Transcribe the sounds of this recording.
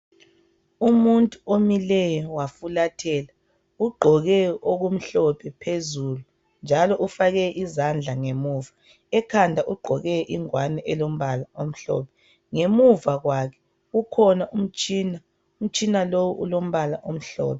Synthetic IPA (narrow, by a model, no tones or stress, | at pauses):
umuntʼuomilɛjɔwafulatʰɛːla | uɡ͡ǃʱɔɣɛoɣum̩ɬɔpʰɛpʰezulu | nd͡ʒʱalɔʔufaɣɛʔizand͡ɮʱaŋemuːva | ɛkʰandʱaʔuɡ͡ǃʱɔɣɛʔiŋwanɛʔɛlom̩βalaom̩ɬɔ̰ːpʰɛ̥ | ŋemuvaɣwakʰɛ̥ | ɣukʰɔnaʔum̩t͡ʃʼina | um̩t͡ʃʼinalowuʔṵlom̩βalaʔom̩ɬɔ̰ːpʰɛ